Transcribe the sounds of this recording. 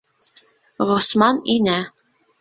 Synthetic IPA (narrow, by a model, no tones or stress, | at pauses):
ʁŏsmɑninæ